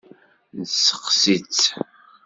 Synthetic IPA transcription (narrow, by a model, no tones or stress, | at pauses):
nsːə̥qsit͡s